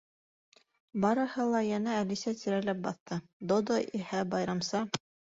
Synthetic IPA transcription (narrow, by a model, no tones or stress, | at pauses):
bɑɾɤ̆hɤlˠɑjænæːlisæt̪iɾælæp̚bɑθt̪ɤd̪od̪oʔihæbɑjɾɑmsɑ